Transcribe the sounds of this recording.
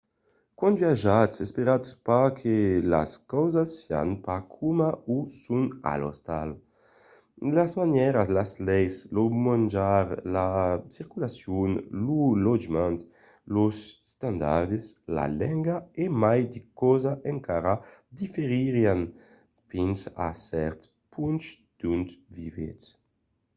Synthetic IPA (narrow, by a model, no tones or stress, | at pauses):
kõnvjaʒatsespeɾat̪spakʰela̰skɔwzasːea̰npakʰumausuna̰lɔ̰st̪al | lazmanjɛɾaslaslɛjslomãnd͡ʒaɾlasiɾkulasjunlulɔd͡ʒmãnt̪ | losst̪ãnd̪aɾd̪esla̰lɛŋɡaemajd̪ikɔzaʔeŋkaɾad̪ifeɾiɾian | finsa̰sɛɾt̪ | pʰuns | d̪̥unt̪vivḛs